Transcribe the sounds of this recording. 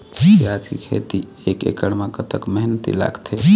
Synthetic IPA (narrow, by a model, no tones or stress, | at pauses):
iad͡ʒkekʰḛt̪i | ekḛkəɽmekət̪əkməɦnət̪ḭla̰ɡt̪ʰe